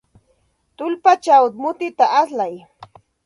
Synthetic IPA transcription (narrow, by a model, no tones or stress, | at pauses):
t̪ʊlpat͡ʃawt̪̚mʊt̪ɪt̪aʔaslaj